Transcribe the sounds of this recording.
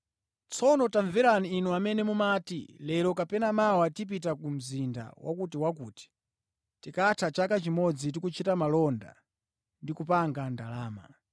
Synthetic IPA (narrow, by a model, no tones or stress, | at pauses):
t͡sʰɔnɔtaɱvɛɾaniːnuamɛnɛmumaːtḭlɛɾɔkapɛnamawatip̬itakum̩zinda̰wʔa̰kutiwak̬uːti̥ | tikatʰat͡ʃakat͡ʃimɔd͡zitikut͡ʃʰitamalɔnda̰ | ndikup̬aŋɡandalaːma̰